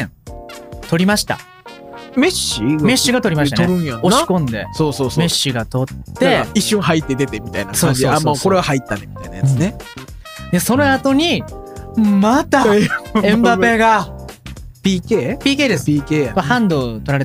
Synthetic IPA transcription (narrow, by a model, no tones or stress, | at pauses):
t̪o̞ɾʲimaɕi̥t̪a̰ | me̞ɕime̞ɕːiɡat̪o̞ɾʲimaɕt̪aoeɾɯ̃jaoɕi̥kõnd̪e̞̰soːsoːsme̞ɕːiɡat̪o̞t̪ːe̞iɕːõɦait̪ːed̪e̞t̪e̞mʲit̪ainaksoãːɲsd͡ʑioːamooko̞ɾe̞βahait̪ːanemʲi̥t̪a̰inajaɯt͡sːne | d̪e̞so̞noat̪o̞ɲ̟i | mat̪aẽmbae̞ːɡa | pʲikepʲiːkeːd̪esieahãnd̪o̞t̪o̞ɾaɾe̞t̪